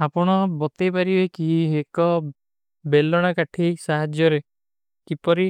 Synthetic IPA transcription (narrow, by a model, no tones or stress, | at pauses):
apɔɽ̃ɔbɔt̪epaɾibekiɦiekɔ | belːɔɽ̃akaʈʰisaɦad͡ʒjɔɾe | kipɔɾi